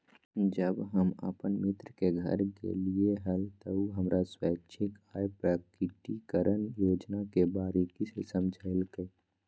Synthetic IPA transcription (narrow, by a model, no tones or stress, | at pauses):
d͡ʒəbɦəmə̰pənmɪt̪ɾəkeɡʱə̰ɾkḛlieɦəlt̪əuɦəmɾʔaswaːkt͡ʃʰɪkaːjpɾakɪʈikəɾʔənjoːd͡ʒnakebaːɾekisesəmd͡ʒʱaːɪlke